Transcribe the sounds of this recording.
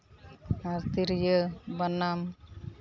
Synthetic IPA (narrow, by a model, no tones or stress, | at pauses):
aɾt̪iɾjəbənam